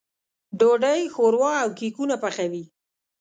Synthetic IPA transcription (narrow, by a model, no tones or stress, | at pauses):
ɖoɖajxoɾwɑawkikunapaxawi